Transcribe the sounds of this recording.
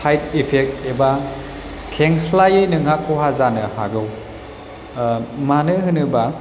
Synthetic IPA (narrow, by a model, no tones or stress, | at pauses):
sajt̚ipʰek̚teba | kʰeŋslajɯnɯŋakʰːoɦazanɯha̰ɡɯw | manɯɦɯnɯba